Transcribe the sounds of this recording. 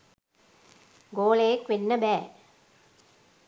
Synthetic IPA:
ɡoːleːkʋɪnːɐbɛː

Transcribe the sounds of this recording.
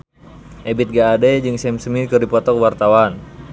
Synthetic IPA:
ʔɛbit̪̚ɡaːdɛd͡ʒɨŋsɛmsəmikɨrdipɔt̪ɔkwart̪awan

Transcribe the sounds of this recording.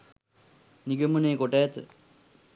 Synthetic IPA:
niɡɐmuneːkoʈːaːt̪ɨ̰

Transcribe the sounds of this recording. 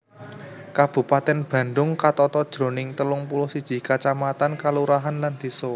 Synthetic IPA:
kab̥ṳpat̪ɛnb̥ä̤nɖʊŋkat̪ɔt̪ɔd̥ʒ̥ɾo̤nɪŋt̪əlʊŋpulʊhsid̥ʒ̥i̤kat͡ʃamat̪ankaluɾaɦanland̪̥i̤sɔ

